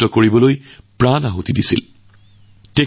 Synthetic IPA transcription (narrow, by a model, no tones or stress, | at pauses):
tɔkoɹibɔlojpɹanaɦotidisḭl | te